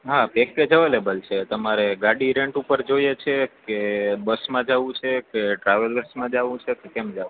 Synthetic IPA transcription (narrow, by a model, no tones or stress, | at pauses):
ɦapekːed͡ʒəʋelebəlt͡ʃʰet̪əmaɾeɡaɽiɾeɳʈupəɾd͡ʒojet͡ʃʰekebəsmãd͡ʒaʋũt͡ʃʰekeʈɾaʋələɾsmãd͡ʒaʋũt͡ʃʰekekemd͡ʒaũ